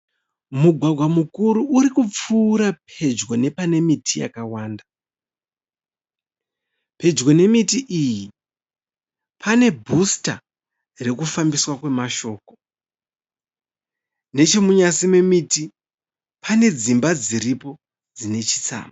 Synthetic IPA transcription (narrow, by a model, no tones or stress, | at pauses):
muɡʱwaɡʱwamukuɾuːɾikup͡fuːɾapʰe̞d͡ʒɡo̞ne̞pane̞mitʰija̰kawaːnda | pe̞d͡ʒɡo̞ne̞mitiʔiji | pʰane̞bʱusta | re̞kufambiswakwe̞maʃo̞ːko | ne̞t͡ʃe̞muɲasime̞miti | pʰane̞d͡zimbad͡ziɾipo̞ | d͡zine̞t͡ʃi̥t͡sa̰ːma